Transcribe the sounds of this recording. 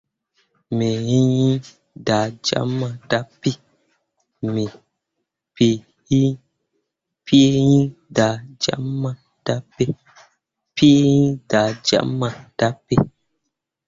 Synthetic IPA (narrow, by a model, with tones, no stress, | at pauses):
me˨jĩ˦jĩ˦ | da˨d͡ʒa̰˦mːã˨da˦pi˦ | mi˨ | pi˨ | ji˦ | pi˦jĩ˦da˨d͡ʒa̰˦mã˦˨ | d̥a˦pe˦ | pi˦e˦jĩ˦da˨d͡ʒa̰˦mã˨d̥a˦pe˦